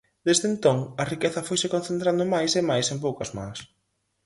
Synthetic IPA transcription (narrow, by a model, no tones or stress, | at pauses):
d̪̥ezðent̪oŋɐrikeθɐfojsɪkõnθent̪ɾand̪ʊmajsemajsempowkɐzmã̰s